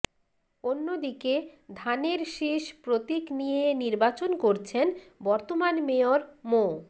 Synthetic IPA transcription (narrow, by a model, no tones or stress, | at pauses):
onːod̪iked̪ʱaneɾʃeʃpɾot̪iknijeniɾbat͡ɕonkoɾt͡ɕʰen | bɔɾt̪omanmeoɾmo